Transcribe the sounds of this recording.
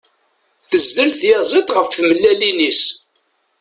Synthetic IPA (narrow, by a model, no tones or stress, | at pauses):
θəzðəlθjezˤit̪ʁəfθməlːælinis